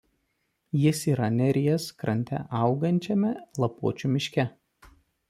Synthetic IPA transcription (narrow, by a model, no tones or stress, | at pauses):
jɪsiːɾɐnʲɛɾʲɪjɛskɾɐnʲt̪ʲɛ̰ʔɑˑʊɡɐnʲt͡ʃʲɛmʲɛlˠɐpuɔt͡ʃʲumʲɪʃʲkʲɛ